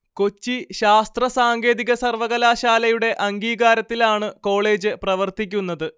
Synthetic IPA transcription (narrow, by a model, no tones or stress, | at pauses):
ko̞t͡ɕːiɕaːst̪rɐsaːŋɡe̞ːðiɣɐsɐrʋɐɣɐlaːɕaːlɐjuɽe̞ʔɐŋɡiːɣaːɾɐt̪ːilaːɳɨko̞ːɭe̞ːd͡ʑɨprɐʋɐrt̪ikʲːunːɐðɨ